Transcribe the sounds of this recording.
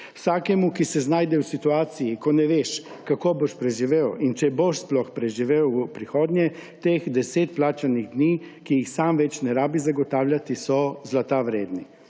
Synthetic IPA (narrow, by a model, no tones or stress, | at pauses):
wsaːkɛmukisɛznaːjd̪ɛwsit̪uaːt̪sijikɔnɛʋeːʃ | kakoːboʃpɾɛʒiʋeːwint͡ʃɛboʃsplɔxpɾɛʒiʋeːwpɾixoːd̪njɛt̪eːxd̪ɛseːt̪̚plaːt͡ʃaniɣd̪niː | kijixsaːmʋɛt͡ʃnɛɾaːbizaɡɔt̪aːwljat̪isɔzlat̪aʋɾeːd̪ni